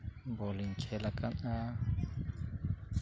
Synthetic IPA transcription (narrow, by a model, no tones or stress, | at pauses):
boliŋt͡ʃʰelakʰana